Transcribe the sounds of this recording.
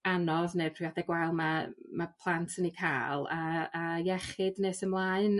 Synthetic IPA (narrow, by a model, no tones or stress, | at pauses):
anɔðneːpʰriaθɛɡwɛlˠmamapʰlˠantʰənikʰa̰ːlˠaːjɛχɨdneːsəmlˠaːɨn